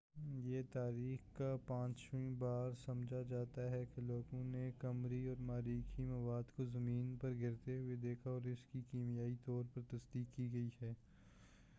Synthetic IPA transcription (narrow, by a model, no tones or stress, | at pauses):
jeːt̪aːɾiːxkapãːt͡ʃʋĩbaːɾsɐmd͡ʒʱad͡ʒaːt̪aɦɛkeloːɡõnekɐmɾiɔːɾmaːɾiːkʰimɐʋaːd̪kozɐmiːnpɐɾɡʱɪɾt̪eɦʊed̪eːkʰaɔːɾɪskikiːmijaːit̪ɔːɾpɐɾt̪ɐsd̪iːkːiɡɐihɛː